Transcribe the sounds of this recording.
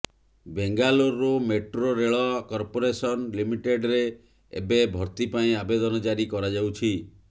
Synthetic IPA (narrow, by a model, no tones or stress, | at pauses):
beŋɡaloɾːumeʈɾoɾeɭɔkɔɾpoɾesɔnlimiʈeɖɾe | ḛbebʱɔɾt̪ipaĩabed̪ɔnɔd͡ʒaɽikɔɾad͡ʒawt͡ʃʰi